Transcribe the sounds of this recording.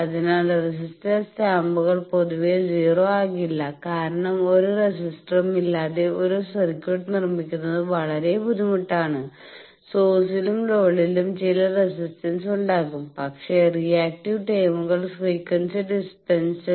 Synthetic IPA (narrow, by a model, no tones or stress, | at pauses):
ɐðinaːlres̬isʈɐst̪aːmbuɣɐɭpo̞ðuʋed͡ʑiːroːaːkiilːɐkaːɾɐɳɐmo̞ɾuresisʈrɐmilːaːðe̞o̞ɾusɐrikʲːuʈːnirmikʲːunːɐðɨʋɐɭɐɾe̞bʱud̪imuʈːaːɳɨ | soːsilumlo̞ːɭilumt͡ɕilɐresisʈɐnsuɳɖaːkːumpɐkʂe̞rijaːk̚ʈiʋʈeːmuɣɐɭsʋikːɐnsɐɖispensɨ